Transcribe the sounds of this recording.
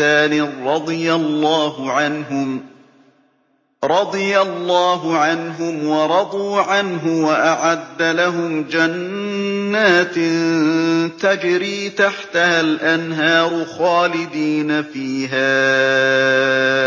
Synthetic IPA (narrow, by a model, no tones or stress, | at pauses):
aːnɪɾˤɑd̪ˤɨjalːɑːhʊʕanɦʊm | ɾˤɑd̪ˤɨjalːɑːɦʊʕanɦʊmwɑɾˤɑd̪ˤuːʕanɦʊwaʔaʕad̪ːalaɦʊmd͡ʒanː | aːt̪nt̪ad͡ʒɾiːt̪aħt̪ahalʔanɦɑːɾˤʊxɑːlɪd̪iːnafiːɦaː